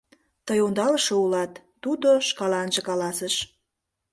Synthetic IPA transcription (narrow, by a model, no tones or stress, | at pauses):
t̪əjond̪ɑləʃoulɑt̪ːud̪oʃkɑlɑnʒekɑlɑsəʃ